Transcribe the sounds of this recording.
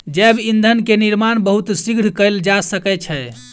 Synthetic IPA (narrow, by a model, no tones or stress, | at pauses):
d͡ʒɛbind̪ʱənkeniɾmanbəɦut̪siɡɽ̤kəld͡ʒasəkɛt͡ʃʰɛ